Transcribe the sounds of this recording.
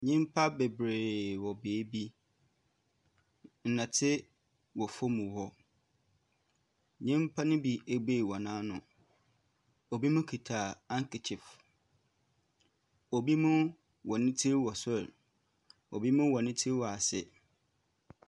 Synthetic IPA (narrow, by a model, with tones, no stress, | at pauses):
ɲĩ˦m˦pʰa˦be˨bɾeː˨wɔ˨beː˨˦bi˦ | n̩˨nã˨tʰɪ˦ | wɔ˨fo˦mũ˨hɔ˦ | ɲĩ˦m˦pʰa˦nʊ̃˦bi˨e˨ɡ͡be˦˨wɔ˨nãː˦nʊ̃˨ | o˨bi˦mũ˦kʰi˨tʰa˨ã˦ŋkʰɪ˨t͡ɕʰɪ˨f | o˨bi˦mʊ̃˦ | wɔ˨nɪ̃˦tʰi˦ɾwɔ˨sɛ˦˨l | o˨bi˦mũ˦wɔ˨nɪ̃˦tʰi˦ɾwɔ˨a˨sɪ˦